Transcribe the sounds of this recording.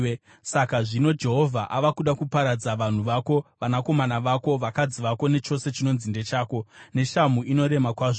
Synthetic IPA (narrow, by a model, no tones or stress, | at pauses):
sakaʐino̞d͡ʒe̞ɦo̞vʱaʔaʋakuɗakupaɾad͡zaʋan̤uʋako̞ʋanako̞manaʋako̞ʋakad͡ziʋako̞ne̞t͡ʃo̞se̞t͡ʃino̞nzinde̞t͡ʃaːko̞ne̞ʃamuino̞ɾe̞makwaːʐo